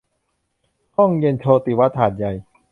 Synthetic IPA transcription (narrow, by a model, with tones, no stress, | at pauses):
hɔ˥˩ŋje˧nt͡ɕʰoː˧t̪i˨˩wa˦˥t̪ʰːaː˨˩t̪̚ja˨˩j